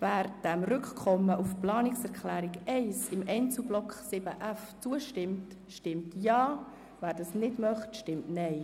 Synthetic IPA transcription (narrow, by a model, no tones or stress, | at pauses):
væːɾd̥ɛmrʏkkʰɔmːəʔufplɑːnɪksɛɾkχlæːɾikɛɪsɪmʔɛɪnt͡sublɔkχsɪb̥əʔæft͡suəʃtɪmt | ʃtɪmtjɑː | væːɾdɑsnɪdmœχtʃtɪmtnɛɪ